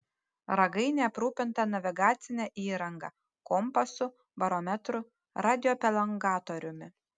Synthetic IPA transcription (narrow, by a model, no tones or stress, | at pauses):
ɾɐɡɐɪnʲɛɐpɾuːpʲɪnt̪ɐnɐʋʲɪɡɑːt̪sʲɪnʲɛʔiːɾɐŋɡɐ̰ | kɔmpɐsʊ | bɐɾɔmʲɛt̪ɾʊ | ɾɑːd̪ʲɪjoːpʲɛlʲˠɐŋɡɑːt̪oːɾʲʊmʲɪ